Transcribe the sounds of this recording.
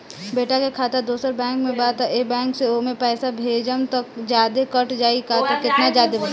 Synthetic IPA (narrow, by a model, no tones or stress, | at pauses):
beːʈakekʰaːt̪ad̪oːsəɾbɛ̃ːŋkmẽbaːt̪aʔeːbɛ̃ːŋkseomẽpɛːsabʱeːd͡ʒəmt̪ɐkd͡ʒjaːd̪ekɐʈd͡ʒaːikat̪okɪt̪nad͡ʒjaːd̪eb